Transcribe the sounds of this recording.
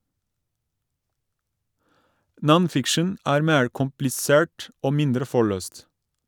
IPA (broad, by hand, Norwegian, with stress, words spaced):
ˈnɔnˌfɪkʃən ˈæːɾ ˈmeːɹ kʊmplɪˈseːɹʈ ˈoː ˈmɪndɾə ˈfɔɭøːst